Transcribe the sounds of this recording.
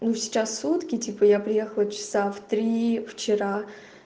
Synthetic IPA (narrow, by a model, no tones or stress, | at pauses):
nusʲɪ̥t͡ɕasːut̪kʲɪtʲipəjapɾʲɪjexəlˠət͡ɕɪ̥saft̪ɾʲift͡ɕɪɾa